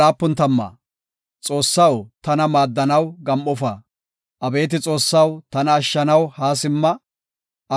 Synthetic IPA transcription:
aːpːʊnt̪ɐmːɐ̰ | t͡sʼo̞ːsːɐwt̪ɐnɐmaːd̪ːɐnɐwɡɐmːɔfɐ | ʔɐbe̞ːt̪ɪt͡sʼo̞ːsːɐwt̪ɐnɐːʃːɐnɐwhaːs̬ɪmːɐ | ʔɐ

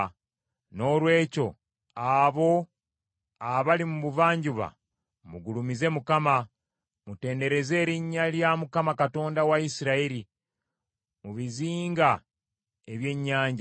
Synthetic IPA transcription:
no̞ːlwe̞ːco̞ | aβo̞ | aβalimuβuvaːɲɟuβa̰ | muɡulumize̞mukama | mute̞ːnde̞ɾe̞ze̞ːɾiɲːaljamukamakato̞ːndawaisiɾaiɾi | muβiziːŋɡa | e̞βje̞ɲːaːɲɟa

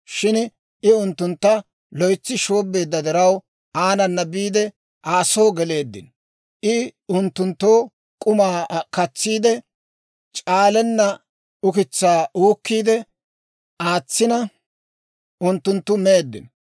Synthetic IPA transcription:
ʃɪn | ɪʊnt̪ːʊnt̪ːɐ | lɔjt͡sːɪʃo̞ːbːe̞ːd̪ːɐd̪ɛɾɐw | ʔaːnɐnːɐbiːd̪ɛ | ʔaːsoːɡɛle̞ːd̪ːɪ̰n | ʔɪʊnt̪ːʊnt̪ːoː | kʼʊmaːkɐt͡sːiːd̪ɛ | t͡ʃʼaːlɛnːɐ | ʊkɪt͡sːaːʔuːkːiːd̪ɛ | ʔaːt͡sːɪnɐ | ʊnt̪ːʊnt̪ːʊmeːd̪ːɪ̰n

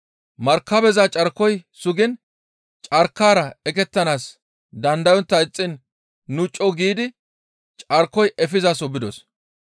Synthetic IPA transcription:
mɐɾkːɐbɛzat͡ʃʼɐɾkːɔjsʊɡɪn | t͡ʃʼɐɾkːaːɾɐɛkɛt̪ːɐnaːs | d̪ɐnd̪ɐjɔnt̪ːɐɪt͡sʼːɪnː | ʊt͡ʃʼːɔɡiːd̪ɪ | t͡ʃʼɐɾkːɔjʔɛfɪzɐsɔbɪd̪ɔs

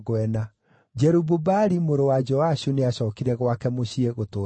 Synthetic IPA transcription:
ɣɛna | d͡ʒɛɾububaɾimoɾowad͡ʒɔaɕuneaɕɔːkiɾɛɣwakɛmoɕieɣotoː

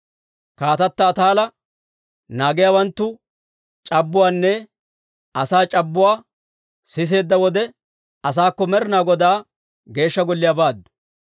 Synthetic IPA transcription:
kaːt̪ɐt̪ːɐːt̪aːlɐ | naːɡɪjawɐnt̪ːʊ | t͡ʃʼɐbːʊwaːnːɛ | ɐsaːt͡ʃʼɐbːʊwaː | sɪs̬e̞ːd̪ːɐwɔd̪ɛ | ɐs̬aːkːɔmɛɾɪnaːɡɔd̪aː | ɡe̞ːʃːɐɡɔlːɪjabaːd̪ːʊ̥

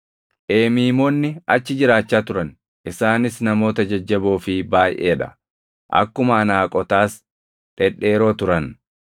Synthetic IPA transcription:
ʔeːmiːmoːnːɪɐt͡ʃːɪd͡ʒɪɾaːt͡ʃːaːt̪ʊɾɐn | ʔɪsaːnɪsnɐmo̞ːt̪ɐd͡ʒɐd͡ʒːɐboːfɪbaːjʔḛːᶑɐ̰ | ʔɐ̰kːʊmɐːnaːkʼɔt̪aːs | ᶑɛᶑe̞ːɾo̞ːt̪ʊɾɐn

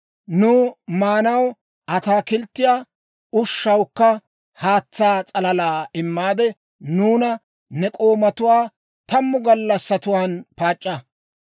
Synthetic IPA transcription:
nʊːmaːnɐw | ʔɐt̪aːkɪlt̪ːɪjaː | ʊʃːɐwkːɐ | haːt͡sːaːt͡sʼɐlɐlaːɪmːaːd̪ɛ | nuːnɐ | nɛkʼo̞ːmɐt̪ʊwaː | t̪ɐmːʊɡɐlːɐsːɐt̪ʊwaːnpaːt͡ʃʼːɐ

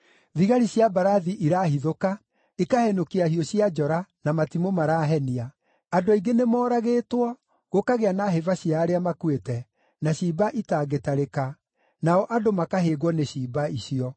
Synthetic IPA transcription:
ðiɣaɾiɕjabaɾaðiʔiɾaːhiðoka | ekahɛnokeahijɔɕiad͡ʒɔɾanamatimomaɾaːɦɛniaː | doiɡenemɔːɾaɣeːtwɔ | ɣokaɣeanaɦevaɕiaːɾeamakuetɛ | naɕiːbaʔitaːɡetaɾeka | naɔʔadomakaɦeɣwɔneɕiːbaiɕiɔ

